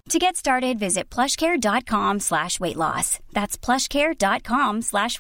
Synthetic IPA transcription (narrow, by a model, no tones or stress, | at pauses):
tʰɨɡɛtstɑɹɾɨdvɪzɨt̚pʰl̥ʌʃkʰɛɹdɑt̚kʰɑ̃mslæʃweɪʔˡlɔ̰sðætspʰl̥ʌʃkʰɛɹdɑt̚kʰɑ̃mslæʃ